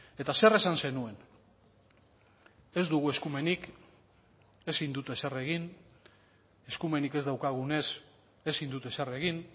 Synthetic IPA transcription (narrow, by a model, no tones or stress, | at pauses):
e̞t̪ase̞re̞sanse̞nue̞n | e̞zd̪uɣ̞ue̞skume̞nik | e̞sind̪ut̪esere̞ɣin | e̞skume̞nike̞zd̪awkaɣune̞s | e̞sind̪ut̪esere̞ɣin